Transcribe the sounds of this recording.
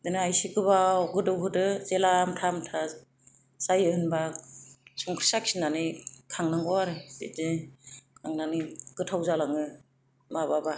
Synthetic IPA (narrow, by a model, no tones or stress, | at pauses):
dɯnɯajsiɡɯbaɡɯdɯwɦɯdɯzelamtʰamtʰa | sajɯhɯnba | sɔŋkʰɾi̥saksinanikʰaŋnaŋɡɔwaɾɯbḭdekʰaŋnaniɡ̥ɯtʰawzalaŋɯ | mababa